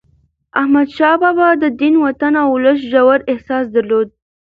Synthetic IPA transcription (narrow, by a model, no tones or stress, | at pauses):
ahmad̪ʃɑbɑbɑd̪əd̪inwat̪anawʊləs̬ʒawaɾɪhsɑsd̪aɾlod̪̚